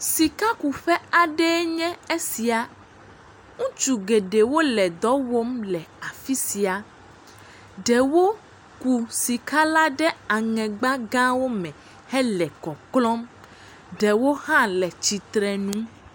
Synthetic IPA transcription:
si˨ka˦ku˨ɸɛ˦a˨ɖɛ˦ɲɛ̃˦e˦si˨a˨ | ŋũ˦t͡ʃu˨ɡe˨ɖe˨wo˦lɛ˨d̪ɔ˨˦wo˦mlɛ˨a˨fi˦si˨a˨ | ɖɛ˨wo˦ | ku˨si˨ka˦la˦ɖɛ˦a˨ŋɛ̃˨ɡ͡bã˦ɡã˦wo˦mɛ̃˨ | hɛ˦lɛ˨kɔ˨klɔ˦m | ɖɛ˨wo˦hã˦lɛ˨t͡ɕi˨t̪ɾɛ˨nũ˦

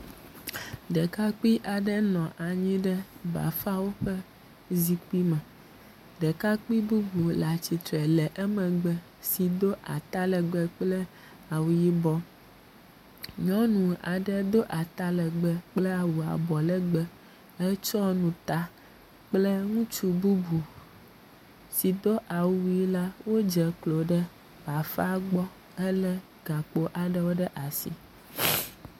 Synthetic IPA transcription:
ɖɛ˨ka˦k͡pi˦ʔa˨ɖɛ˦nɔ̃˨ʔa˨ɲĩ˦ɖɛ˦ba̰˨fa˦wo˦ɸɛ˦ | zi˦k͡pi˦mɛ̃˨ | ɖɛ˨ka˦k͡pi˦bu˦vu˨la˨t͡ɕi˨t̪ɾɛ˨lɛ˨ʔɛ˦mɛ̃˨ɡ͡bɛ˦ | si˨d̪o˦ʔa˨t̪a˦lɛ˨ɡ͡bɛ˦k͡plɛ˦ | a˨wu˨ji˦bɔ˦ | ɲɔ̃˦nũ˨a̰˨ɖə˨d̪o˦ʔa˨t̪a˦lɛ˨ɡ͡bɛ˨k͡ple˦a˨wu˨a̰˨bɔ˨lɛ˦ɡ͡bɛ˦ | ɛ˦t͡ʃɔ˦nũ˨t̪a˦ | k͡ple˦ŋũ˦t͡ʃu˦bu˦bu˨ | si˨d̪o˦ʔa˨wu˦˨wu˦ji˦la˦wo˦d͡ʒɛ˨klo˨ɖə˦ | va˨fa˦ɡ͡bɔ˦ | ɛ˦lɛ˦ | ɡ̥a˨k͡po˨ʔa˨ɖə˦wo˦ɖɛ˦ʔa˨sḭ˨

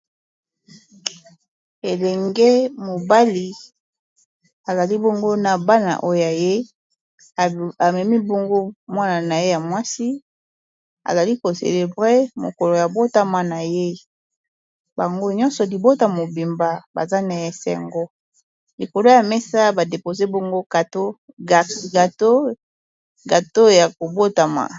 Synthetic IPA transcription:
e˨lɛ˨ŋɡe˦mo˨ba˦li˨ | a˨za˨li˦bo˦ŋɡo˦na˨ba˦na̰˨ʔo˦jo˨ja˨je˦˨ | a˨mɛ˨mi˦bo˦ŋɡo˦mwa˦na˨na˨je˦ja˨mwa˦si˦ | a̰˨za˨li˦ko˨sḛ˨le˨bʁe˦mo̰˨ko˨lo˨ja˨bo˦ta˦ma˨na˨je˦ | ba˨ŋɡo˦ɲɔ̃˦nsɔ˨li˨bo˦ta˨mo˨bi˨mba˦ba̰˨za˦na˨je˨sɛ̰˦˨ŋɡo˦ | li˨ko˨lo˦ja˨mɛ˦sa˦ba˨de˨po˨ze˦bo˦ŋɡo˦ɡa˨to˦˨ | ɡa˨to˦ | ɡa˨to˦ja˨ko˨bo˦ta˨ma̰˨

